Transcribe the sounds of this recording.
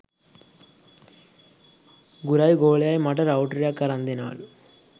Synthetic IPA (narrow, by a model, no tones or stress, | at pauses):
ɡuɾaːjiɡoːɭjaːjmɐʈɐɾɐwʈɾjakaɾɐnd̪ina̰ːlu